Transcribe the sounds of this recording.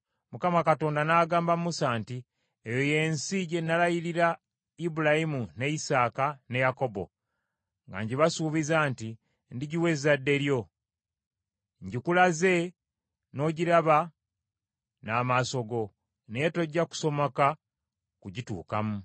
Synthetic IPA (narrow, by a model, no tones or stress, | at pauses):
mukamakato̞ːndanaːɡaːmbamusaːnti | ejo̞je̞ːnsiɟe̞nːalajiɾiɾa | ibulajimune̞isaːkane̞jako̞bo̞̰ | ŋɡa̰ɲɟiβasuβizaːnti | ndiɟiwe̞zadːe̞ɾjo̞ | ɲɟikulaze̞ | no̞ɟiɾaβa | naːmaso̞ɡo̞ | neetoɟːaku̥so̞moka | kuɟitṵːka̰mu